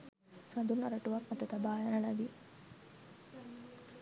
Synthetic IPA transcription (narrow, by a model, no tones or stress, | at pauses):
sɐd̪unːɐɾɐʈuʋɐkmɐt̪ːɐt̪ɐbaːjɐnɐɭɐd̪i